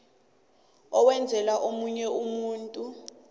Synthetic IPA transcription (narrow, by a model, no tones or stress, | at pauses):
ɔwɛnd͡zʱɛlaʔomuɲɛumuːntʼu